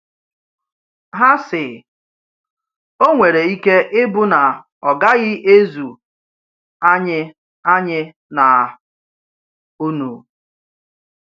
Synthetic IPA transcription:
ɦa˦sɪ˨ | o˦ŋʷe˨ɾe˨i˦ke˦ʔɪ˦bʊ˦na˨ | ɔ˨ɡa˦ɣɪ˦ʔe˦zu˨ | a˦ɲɪ˦ | a˦ɲɪ˦ | na˨ | u˦nu˨

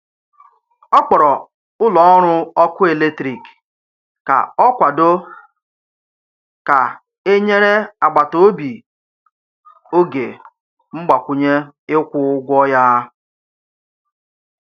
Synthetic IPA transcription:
ɔ˦k͡pɔ˨ɾɔ˨ | ʊ˦lɔ˨˦ɔ˦ɾʊ˦ɔ˦kʊ˦e˨le˦tɾi˨k | ka̰˨ɔ˦kʷa˨do˦ | ka˨ | e˦ɲe˦ɾe˦a˨ɡ͡ba˨to˦bi˨ | o˦ɡe˨ | ŋ͡m̩˦ɡ͡ba˨kʷʊ˨ɲe˦ɪ˦kʷʊ˦ɡʷɔ˦ja˦

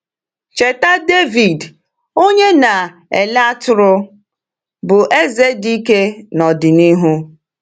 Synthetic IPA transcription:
t͡ʃe˨ta˦de˦vi˨d | o˦ɲe˦na˨ | ḛ˨la˦tʊ˨ɾʊ˦ | bʊ˨ʔe˦ze˦di˦ke˦nɔ˨dɪ˨ni˦ɦu˦

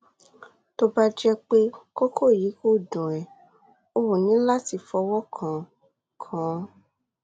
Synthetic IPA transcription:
to˧ba˦d͡ʒɛ˧k͡pe˦ko˦kʰo˦˨ji˨˦ko˦˨dũ˨ɛ˨ | o˧˦wo˨nĩ˨˦la˦ti˧˨fɔ˧wɔ˦kʰã˨ | kʰã˨˦

